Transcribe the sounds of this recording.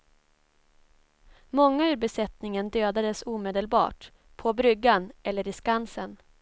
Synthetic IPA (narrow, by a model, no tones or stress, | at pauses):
mɔŋːaʉːɾbɛsɛt̪nɪŋənd̪øːd̪ad̪əsuːmeːd̪əlbɑ̰ːʈ | pʰɔbɾʏɡːanɛlːəɾɪskansən